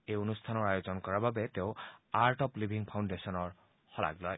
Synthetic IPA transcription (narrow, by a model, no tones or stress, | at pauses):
ejonust̪ʰanɔɹajozɔnkɔɹababɛteʊ̃aɹʈɔplibʱiŋpʰawndesɔnɔɹ | xɔla̰ɡlɔj